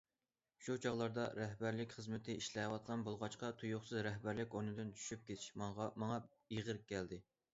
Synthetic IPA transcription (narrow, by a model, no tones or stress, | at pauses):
ʃut͡ʃʰɑʁlˠɑɾd̪ɑɾɛɦbæɾlɪkʲχəzmɪt̪ʰɪiʃlɛwɑt̪̚qʰɑnbolˠʁɑt͡ʃqɑt̪ʰujʊχsɨzɾɛɦbæɾlɪkʲoɾnɨd̪nt͡ʃʰy̥ʃyp̚kʲet̪ʰɪ̥ʃmɑŋʁɑmɑŋɑ | iʁəɾkʲʰːɛld̪ɪ